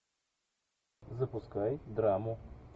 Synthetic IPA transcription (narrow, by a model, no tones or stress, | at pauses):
zɐpʊskajd̪ɾamʊ